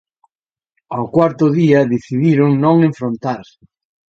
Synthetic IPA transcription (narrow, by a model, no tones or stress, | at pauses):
awkwaɾt̪ʊðiɐðeθiðiɾʊŋnõŋẽɱfɾõnt̪aɾ